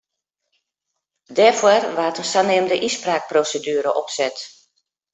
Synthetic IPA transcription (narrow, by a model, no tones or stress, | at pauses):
dɛfwərʋaːtənsanɪəmdəʔispraːk̚prosedyəɾəʔɔpsɛt